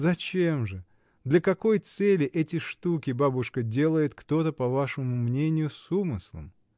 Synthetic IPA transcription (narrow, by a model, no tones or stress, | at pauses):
zɐt͡ɕe̞mʐɨ | d̪lʲɐkɐko̞jt̪sɛlʲɪʔɛtʲɪʂt̪ukʲɪbabʊʂkədʲe̞lˠəjɪt̪kt̪o̞t̪əpɐvaʂɨmʊmnʲenʲɪjʊsumɨslˠə̰m